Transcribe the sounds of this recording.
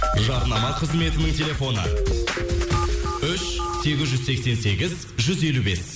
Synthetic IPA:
ʒɑɾnɑmɑqʰəzme̞t̪ɪnɪŋt̪ʲʰe̞lʲe̞fo̞nə̰ | ʏʃse̞ɡʲɪzʒʏzse̞kse̞nse̞ɡʲɪz | ʒʏze̞lube̞s

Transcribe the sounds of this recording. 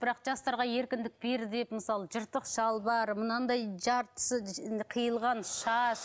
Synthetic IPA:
b̥ɪɾɑqʒ̥ɑst̪ɑɾʁɑje̞ɾkʲɪnd̪ɪk̚be̞ɾd̪e̞pməsɑlˠəʒəɾt̪ːəqʃɑlˠbɑɾmʊnɑnd̪ɑjʒɑɾt̪səqʰəjəlˠʁɑnʃɑʃ

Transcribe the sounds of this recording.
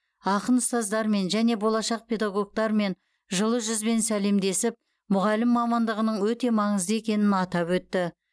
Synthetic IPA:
ɑqənəst̪ɑzd̪ɑɾme̞nʒæne̞bo̞lˠɑʃɑq̚pʰʲe̞d̪ɑɡo̞k̚t̪ɑɾme̞n | ʒəlˠəʒʏzbe̞nsæle̞md̪e̞sɪp̚ | mʊʁɑlɪmːɑmɑnd̪əʁənəɴwɵt̪e̞mɑɴəzd̪əe̞kʲe̞nɪnɑt̪ɑpwɵt̪ːɪ

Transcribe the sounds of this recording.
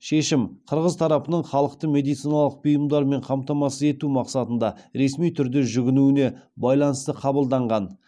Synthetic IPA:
ʃe̞ʃɪmqʰəɾʁəzt̪ʰɑɾɑpənəɴχɑlˠəq̚t̪əme̞d̪ijt̪sijnɑlˠəq̚bijəmd̪ɑɾme̞ɴqʰɑmt̪ɑmɑsəze̞t̪umɑqsɑt̪ənd̪ɑɾe̞smijt̪ʰʏɾd̪e̞ʒʏɡʲɪnuɪne̞bɑjlˠɑnəst̪əqʰɑbəlˠd̪ɑɴʁɑn

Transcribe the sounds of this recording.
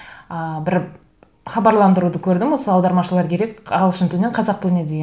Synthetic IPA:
əbɪɾ | χɑbɑɾlˠɑnd̪əɾud̪əkʲʰɵɾd̪ɪmwo̞səɑwd̪ɑɾmɑʃəlˠɑɾkʲʰe̞ɾe̞kʲɑʁɑlˠʃənt̪ʰuneqʰɑzɑq̚t̪uned̪ej

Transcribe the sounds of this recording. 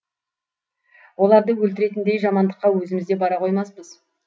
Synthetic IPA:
wo̞lˠɑɾd̪əwɵlt̪ɪɾe̞t̪ɪnd̪e̞jʒɑmɑnd̪əqːɑwɵzɪmɪzd̪e̞bɑɾɑqʰo̞jmɑspəz

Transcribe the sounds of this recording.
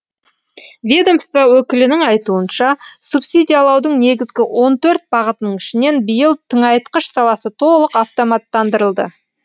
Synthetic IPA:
vʲed̪o̞mst̪vɑwɵkʲɪlɪnɪŋɑjt̪uənʃɑsupsʲid̪ʲijɑlˠɑwd̪əɴne̞ɡʲɪzɡʲɪwʔo̞nt̪ʰɵɾt̪̚bɑʁət̪ənəɴɪʃɪne̞nbijəlˠt̪ʰəɴɑjt̪qəʃsɑwɑsət̪ʰo̞lˠəqɑft̪o̞mɑt̪ːɑnd̪əɾəlˠd̪ə̰

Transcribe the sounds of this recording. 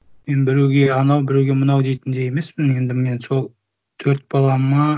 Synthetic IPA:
menbɪɾuɡʲe̞ɑnɑwbɪɾewɡʲe̞mʊnɑwd̪e̞jt̪ɪnd̪e̞jeme̞spɪne̞nd̪ɪme̞nso̞lˠ | t̪ʰɵɾt̪̚bɑlˠɑmɑ

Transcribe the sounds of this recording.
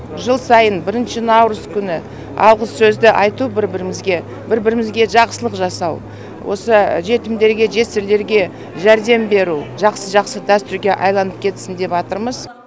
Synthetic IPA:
ʒəlˠsɑjənbɪɾɪnʃɪnɑwɾʊskʲʰʏnɪ | ɑ̰wʁəzsɵzd̪ɪʔɑjt̪ubɪɾbɪɾɪmɪzɡʲe̞ | bɪɾbɪɾɪmɪzɡʲe̞ʒɑqsəlˠəqʒɑsɑw | wʔo̞̰səʒe̞t̪ɪmd̪e̞ɾɡʲe̞ʒe̞sɪɾle̞ɾɡʲe̞ | ʒæɾd̪e̞mbe̞ɾuʒɑqsəʒɑqsəd̪æst̪ʏɾɡʲe̞ʔɑjlˠɑnəp̚kʲʰe̞t̪sɪnd̪e̞pɑt̪əɾməz

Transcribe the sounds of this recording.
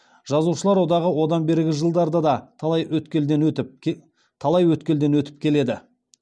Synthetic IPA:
ʒ̥ɑzuʃəlˠɑɾwo̞d̪ɑʁəwo̞d̪ɑnbe̞ɾɪɡʲɪʒəlˠd̪ɑɾd̪ɑd̪ɑt̪ʰˠɑjwɵt̪kʲeld̪enɵt̪ɪ | t̪ʰɑlˠɑjwɵt̪kʲe̞ld̪e̞nwɵt̪ɪ̥p̚kʲʰe̞le̞d̪ɪ

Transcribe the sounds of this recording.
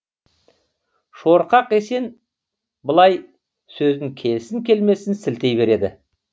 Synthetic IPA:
ʃoɾqɑqe̞se̞n | bəlˠɑj | sɵzd̪ɪŋkʲʰe̞lsɪŋkʲe̞lme̞sɪnsɪlt̪e̞jbe̞ɾe̞d̪ɪ̰

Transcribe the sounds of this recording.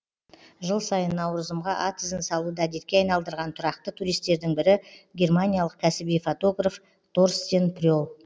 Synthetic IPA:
ʒəlˠsɑjənːɑwɾəzəmʁɑʔat̪ʰɪzɪnsɑlˠud̪ɑd̪et̪̚kʲe̞ɑjnɑlˠd̪əɾʁɑnt̪ʰʊɾɑq̚t̪ət̪ʰuɾijst̪e̞ɾd̪ɪŋbɪɾɪɡʲe̞rmanʲijalˠəq̚kʲʰæsɪbijfot̪o̞ɡraf | t̪ʰo̞rst̪enprʲolˠ

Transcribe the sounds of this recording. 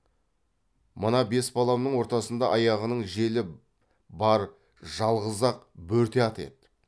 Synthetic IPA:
mənɑbe̞sbɑlˠɑmnəɴwo̞ɾt̪ɑsənd̪ɑʔɑjɑʁənəɴʒe̞lɪ | bɑɾ | ʒɑlˠʁəzɑq | bɵɾt̪e̞ɑt̪e̞̰t̪

